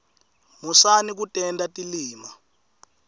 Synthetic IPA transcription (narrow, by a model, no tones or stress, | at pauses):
musanik̬utʼɛntatʼiliːma